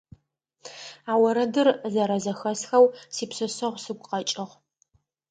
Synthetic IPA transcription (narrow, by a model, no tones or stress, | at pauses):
aːwɐɾɐdɨrzɐɾɐzɐxɐsxɐwsiːpsɨsɐʁʷsɨɡʷʼqʼɐt͡ʃʼɪʁ